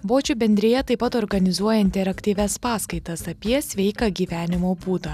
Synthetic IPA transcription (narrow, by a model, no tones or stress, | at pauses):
ʋoːt͡ʃʲʊbʲɛnʲd̪ʲɾʲɪjɛt̪ɐɪpɐt̪ɔːɾɡɐnʲɪzuɔjɛɪnʲt̪ʲɛɾɐkt̪ʲiːʋʲɛspɑːskɐɪt̪ɐsɐpʲiɛsʲʋʲɛɪkɐɡʲiːʋʲæːnʲɪmoːbuːt̪ɐ